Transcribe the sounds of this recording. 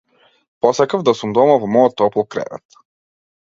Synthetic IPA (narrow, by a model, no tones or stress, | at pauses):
pɔsakavd̪asumd̪ɔmavɔmɔjɔt̪ːɔplˠɔkɾɛ̰vɛ̰t̪